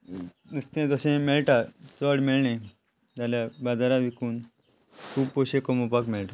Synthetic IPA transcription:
d̪ust̪ẽt̪əsẽmeɭʈat͡sɔɽmeɭɳẽ | t̪aljabad͡zaɾaʋikuːn | kʰuːbpoɕekɔmopakmeɭʈa

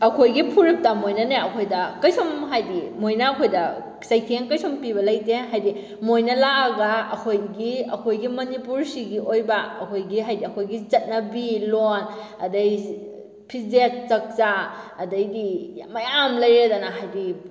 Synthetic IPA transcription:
ɐkʰojɡipʰuɾip̚tamojnɐneɐkʰojdɐkɐjsomɦajdimojnɐːkʰojdɐ | sɐjkʰeŋkɐjsompiβɐlɐjteɦajdi | mojnɐlaɐɡɐɐkʰojɡiɐkʰojɡimɐnipuɾsiɡiʔojbɐɐkʰojɡiɦajdiɐkʰojɡit͡ʃɐt̚nɐbilon | ɐ̰dɐj | pʰizet̚t͡ʃɐk̚t͡ʃaɐdɐjdimɐjamlɐjɾedɐnɐɦajdi

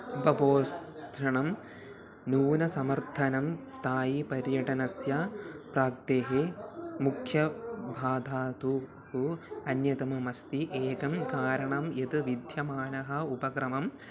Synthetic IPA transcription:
upɐboːst̪ʰɾɐɳɐm | nuːnɐsɐmɐɾt̪ʰɐnɐmst̪ʰaːjipɐɾjɐʈɐnɐsjaːpɾaːk̚t̪eːɦemukʰjɐbʱaːd̪ʱaːt̪u | huɐnjɐt̪ɐmɐmɐst̪iʔeːkɐmkaːɾɐɳɐmjɐt̪ɨʋid̪ʱjɐmaːnɐɦɐupɐkɾɐmɐm

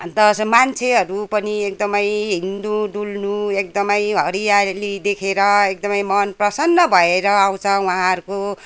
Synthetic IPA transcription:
ʌt̪ʌsmant͡sʰeɦʌɾupʌniek̚d̪ʌmʌjɦind̪uɖulnuek̚d̪ʌmʌjɦʌɾijalid̪ekʰeɾʌek̚d̪ʌmʌjmʌnprʌsʌnːʌbʱʌeɾʌaw̃t͡sʰʌ̃waãɦʌɾuko

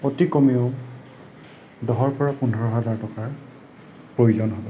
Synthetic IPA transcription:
otikɔmioʊ | dɔɦɔɹpɔɹapunʱɔɹɔɦazaɹtɔkaɹ | pɹojuzɔnɦɔbɔ

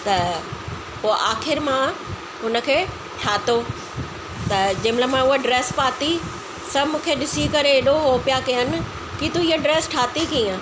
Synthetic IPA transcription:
t̪ɐ | poːʔaːxɪɾmã | ɦʊnə̆kʰeː | ʈʰaːt̪o | t̪ɐd͡ʑɐ̃ɦmləmãʊɦoɖɾeːspaːt̪i | sɐbmũːkʰeɗɪsikɐɾeeɗoɦoːpjakijənɪ̆ | kit̪uiəɖɾeːsʈʰaːt̪ikiːə̃

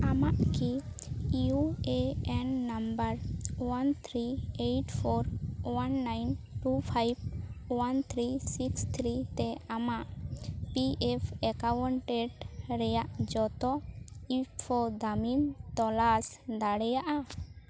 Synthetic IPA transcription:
amaʔki | iueɛnːambəɾwant̪ʰɾiejʈpʰoɾwanːajnʈupʰajbwant̪ʰɾisikst̪ʰɾit̪ɛamaʔpiɛpʰɛkawɔɳʈeɖɾɛjaʔd͡ʒɔt̪ɔipʰod̪amint̪ɔlas | d̪aɽɛjaʔa

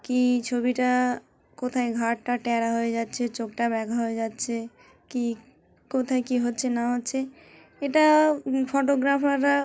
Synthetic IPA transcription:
kit͡ʃʰobiʈa | kot̪ʰajɡʱaʈʈaʈɛɾaɦoed͡ʒat̪ːt͡ʃʰet͡ʃok̚ʈabɛɡʱaɦoed͡ʒat̪t͡ʃʰe | ki | kot̪ʰajkiɦotːt͡ʃʰenaɦot̪ːt͡ʃʰe | eʈapʰoʈ̬oɡɾapʰaɾa

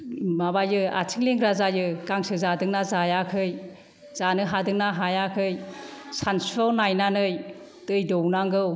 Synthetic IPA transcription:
mabajɯa̰tʰɯŋleŋɡʰɾazajɯɡ̥aŋsɯzadɯŋnazajakʰɯj | z̥anɯɦadɯŋnaɦajakʰɯjsanspɔlnajnanɯj | tɯjdɔwnaŋɡɯw

